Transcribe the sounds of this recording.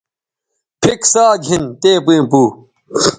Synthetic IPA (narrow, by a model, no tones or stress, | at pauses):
pʰiksaːɡʱint̪eːpiĩpuː